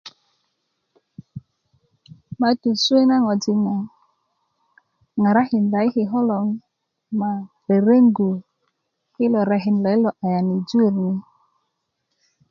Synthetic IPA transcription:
ma˨˦tu˨su˦e˦na˦ŋɔ˨d͡ʒi˦na˨ | ŋa˨ɾa˦hi˨n˨la˨˦i˦hi˨ɦɔ˦lɔ˨ŋ | ma˨ | ɾe˨ɾe˦ŋ˦ɡu˨ | hi˦lɔ˨ɾa˨ɦi˨n˨la˨˦i˦lɔ˨ʔa˨ja˨ni˨d͡ʒu˦e˨ɾni˦

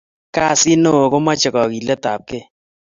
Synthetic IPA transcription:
ka˦˨si˦no˦o˨ko˦ma˦t͡ʃɪ˨kɔ˨ki˨lɛ˦ta˨p̚ke˦

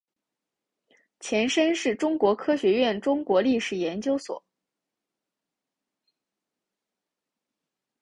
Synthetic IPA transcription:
t͡ɕʰjɛ˧˥nʂə˥nʂɻ̩˥˩ʈ͡ʂʊ˥ŋkwɔ˧˥kʰɤ˥ɕɥɛ˧˥ɥɛ˥˩nʈ͡ʂʊ˥ŋkwɔ˧˥li˥˩ʂɻ̩˨˩jɛ˧˥nt͡ɕjo˥ʊswɔ̰˨˩˦

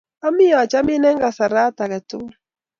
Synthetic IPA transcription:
a˦mi˦a˨t͡ʃa˦mi˦nɛ˦ŋɡa˨sa˨ɾa˦ta˨ɣɛ˨to˦

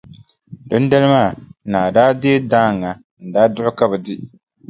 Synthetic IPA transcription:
dɨ˦n˦dɛ˦lɨ˦maː˦˨naː˨daː˦de˦daː˦˨ŋːa˨ | n̩˨daː˦dʊ˦ʔʊ˦ka˦bɛ˨dɪ˦

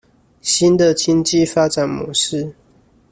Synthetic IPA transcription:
ɕi˦˥nd̪ə˨t͡ɕi˦nt͡ɕi˥˨fa˦ʈ͡ʂa˨˩nmwɔ̰˧˦ʂɻ̩˥˨

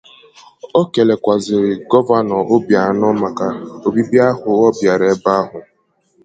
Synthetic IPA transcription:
o˦ke˨le˨kʷa˨zɪ˨ɾɪ˨ɡɔ˦va˦nɔ˨ʊ˦bja˨˦nɔ˦ma˨ka˦o˨bi˦bja˦hʊ˨ɔ˦bja˨ɾe˨˦ba˦ɦʊ˨

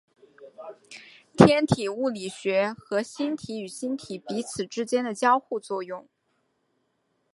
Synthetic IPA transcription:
t̪ʰjɛ˥nt̪ʰi˨˩u˥˩li˨˩ɕɥɛ˧˥xɤ˧˥ɕi˥nt̪ʰi˧˥y˨˩ɕi˥nt̪ʰi˨˩pi˧˥t͡sʰɹ̩˨˩ʈ͡ʂɻ̩˥t͡ɕjɛ˥nd̪ə˨t͡ɕjɑ˥ʊxu˥˧t͡swɔ˥˧jʊ˥˩ŋ

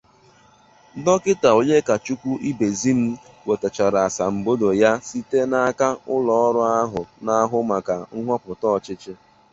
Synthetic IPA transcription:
dɔ˦kɪ˦ta˨o˨ɲe˦ka˨t͡ʃu˦kʷu˦ʔi˦be˨zi˦m̩˦ | we˨ta˨t͡ʃa˨ɾa˨a˨sa˨m̩˨bo˦do˨ja˦si˦te˦na˦ka˦ʊ˦lɔ˦ɔ˦ɾʊ˦a˦ɦʊ˨na˦a˦ɦʊ˦ma˨ka˨ŋ̩˦ɦɔ˦pʊ˨tɔː˦˨t͡ʃɪ˦t͡ʃɪ˦

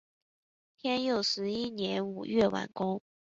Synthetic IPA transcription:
t̪ʰjɛ˥njo˥˩ʊʂɻ̩˧˥i˥njɛ˧˥nu˨˩ɥɛ˥˩wa̰˨˩nkʊ˥ŋ

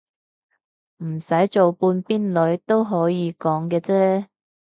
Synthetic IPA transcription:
m̩˨˩sɐ˨˥jt͡so˨wpuː˧npiː˥nlɵ˨˥ɥt̪o˥wɦɔː˨˥jiː˨˧kɔː˨˥ŋkɛː˧t͡sɛː˥

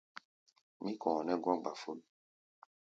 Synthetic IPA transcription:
mĩ˦kɔ̃ː˨nɛ˦ɡɔ̃˦ɡ͡ba˨fo˦l

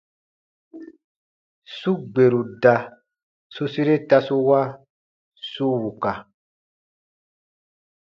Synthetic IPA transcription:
su˦ɡ͡be˨ɾu˨da˨ | su˦si˦ɾe˦ta˧su˦wa˦ | su˦wu˨ka˨

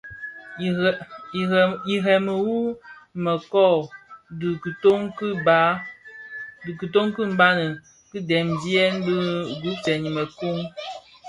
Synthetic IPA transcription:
i˨ɦɛ˨mə˨wu˦mə˨kɔ˦˨dkto˦ŋkba˨˦ | dkɨ˨to˦ŋkɨ˦m̩˦ba˦nə˨ | kɨ˦dɛ˨mdi˦ɛ˦n̩˦də˦ɡu˨˦t͡sɛ˨ɲ˨mə˨ku˦ŋ

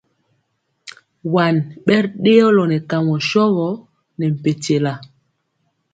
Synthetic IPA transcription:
wa˨nɓɛ˦ɾɗe˦ɔ˦lɔ˨nɛ˨ka˨ŋɔ˨ʃɔ˦ɣɔ˨˦ | nɛ˨m̩˨pe˨te˨la˨

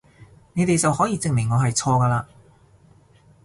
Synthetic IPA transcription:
ne˨˧jt̪e˨jt͡sɐ˨whɔː˨˥jiː˧t͡sɪ˨ŋmɪ˨˩ŋːɔː˨˧ɦɐ˨jt͡sʰɔː˧kaː˧laː˧

